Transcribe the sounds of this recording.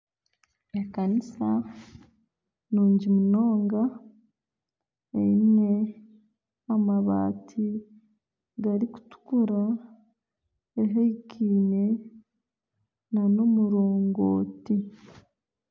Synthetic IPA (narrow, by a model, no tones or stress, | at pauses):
ekanisa | nuːɲɟimuno̞ːŋɡa | ḛine̞ | maβa̰ːtʰi | ɡaɾiku̥tu̥kuɾa | eɦeikʰiːne̞ | nano̞muɾo̞ːŋɡo̰ːti